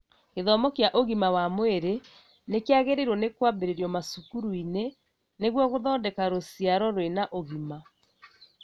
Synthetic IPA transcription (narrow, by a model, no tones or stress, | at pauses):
keðɔmɔkjaʔoɣimawamweɾe | nekeaɣeɾeɾwɔnekwambeɾeɾjɔmasukuɾuine | neɣwɔɣoðɔːndɛkaɾosiaɾɔɾwenaʔoɣima